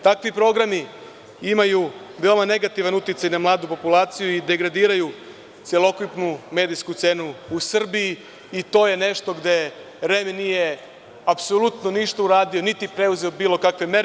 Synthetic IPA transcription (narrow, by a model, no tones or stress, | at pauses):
t̪akʋipɾo̞ɡɾami | imaju | ʋeomane̞ɡat̪iʋanut̪it̪sajnamlˠaːd̪upo̞pulˠaːt̪sijuid̪e̞ɡɾad̪iːɾaju | t̪sʲjelˠo̞kupnume̞ːd̪iskut̪se̞ːnuːsr̩biiː | t̪o̞ːje̞ne̞ʃt̪o̞ɡd̪e̞ | ɾeːmenije̞ | apsolut̪noniʃt̪auɾaːd̪io̞nit̪ipɾe̞uze̞obiːlˠo̞kakʋe̞me̞ɾ